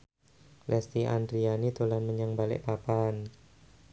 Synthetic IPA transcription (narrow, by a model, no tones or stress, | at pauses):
lɛst̪iʔa̰ndɾianit̪ulanməɲaŋbalɪ̰ʔpapan